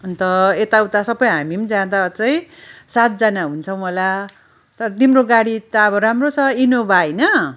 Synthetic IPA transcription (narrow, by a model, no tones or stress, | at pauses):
ʌnt̪ʌet̪awt̪asʌbʌjɦamimd͡zãd̪aʌt͡sʌj̃sat̪̚d͡zʌnaɦunt͡sʰʌw̃mʌla | t̪ʌɾʌt̪imroɡaɽit̪aʌbʌɾamrot͡sʰʌinobʱajnʌ